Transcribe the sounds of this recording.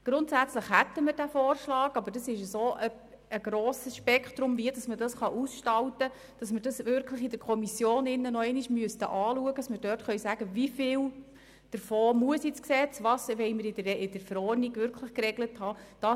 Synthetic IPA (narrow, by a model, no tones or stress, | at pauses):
ɡ̥ɾʊntsæt͡sləχhæt̪ːəməɾd̥æfoːrʃlɑːɡɑbəd̥ɑsɪʃəsoːʔə | əɡ̥ɾoːsəsʃpɛkχt̪ɾʊmviədɑsmədɑsχɑʔusʃtɑltə | d̥ɑsmərd̥ɑsʋɪɾkʰləχid̥əɾkʰɔmisjoːnɪnːənɔɛɪniʃmyəstəʔɑːluəɡəd̥ɑsməɾd̥œːrtχœʏsæɡ̥əvifɪːl | d̥əɾfoːmuəsit͡sksɛt͡sʋɑːsʋɛɪmɪɾɪdɪd̥əɾfəɾɔːrniɡʋʏɾkʰləχkrɛɡləthɑːd̥ɑ